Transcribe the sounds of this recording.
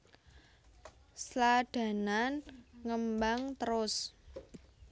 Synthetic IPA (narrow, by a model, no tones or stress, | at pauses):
slaɖ̥ä̤nanŋəmbaŋt̪əɾʊs